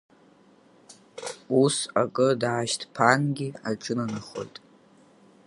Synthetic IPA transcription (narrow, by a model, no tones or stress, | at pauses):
usakʼɨdaːʃtʰpʰanɡʲiaʈ͡ʂʼɨnanɨχo̞̰jtʼ